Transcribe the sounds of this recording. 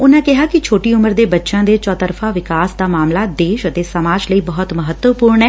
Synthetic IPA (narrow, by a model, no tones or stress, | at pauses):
ʊnãːkɪɦaːkɪt͡ʃʰoːʈiːʊməɾd̪eːbətːʃãːd̪eːt͡ʃɔːt̪əɾfʰãːʋɪkaːsd̪aːmaːmlaːd̪eːʃət̪eːsəmaːd͡ʒləiːbəɦɔt̪məɦət̪wəpuːɾɳɛː